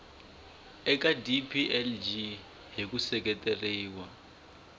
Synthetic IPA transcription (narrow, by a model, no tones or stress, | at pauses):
ɛkʼadipʰiʔɛld͡ʒi | ɦikusɛk̬ʼɛtʼeriːwa